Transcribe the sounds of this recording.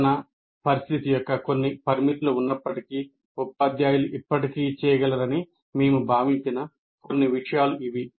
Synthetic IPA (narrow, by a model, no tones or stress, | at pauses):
nɐ | pɐɾist̪ʰit̪ijɔkːɐko̞nːipɐɾmiʈluunːɐpːɐʈikiː | upːaːd̪jaːjuluʔipːɐʈikiːt͡ʃɛːjɐɡɐlɐɾɐni | meːmubʱaːʋiɲt͡ʃinɐ | konːiʋiʂɐjaːluʔiʋi